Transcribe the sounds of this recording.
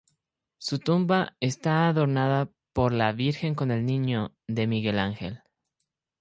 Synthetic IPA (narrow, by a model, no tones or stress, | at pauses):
sut̪umbae̞st̪aːðo̞ɾnaða | po̞ɾlaβiɾxe̞ŋko̞ne̞lnĩɲo̞ | ðe̞miɣe̞laŋxe̞l